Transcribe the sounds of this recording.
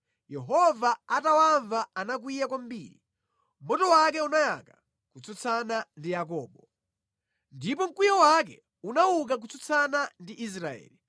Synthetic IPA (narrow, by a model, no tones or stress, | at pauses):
jɛɦɔvaatawaɱvaːnak̬wijakwam̩bḭːɾi | mɔtɔwakɛunaja̰ka | kut͡sʰɔt͡sʰanandijak̬ɔːɓɔ | ndipɔm̩kwijɔwak̬ɛ̰ | unauk̬ak̬ut͡sʰɔt͡sʰanandiʔis̬ɾaɛ̰ːli